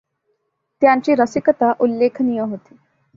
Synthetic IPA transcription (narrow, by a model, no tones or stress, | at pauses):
t̪jãɲt͡ɕiːɾəsikət̪aʔulːekʰnijəɦot̪e̥